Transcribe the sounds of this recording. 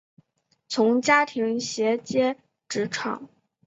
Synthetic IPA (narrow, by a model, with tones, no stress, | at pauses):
t͡sʰʊ˧˥ŋt͡ɕja˥t̪ʰi˧˥ŋɕjɛ˧˥t͡ɕjɛ˥ | ʈ͡ʂɻ̩˧˥ʈ͡ʂʰɑ̰˨˩˦ŋ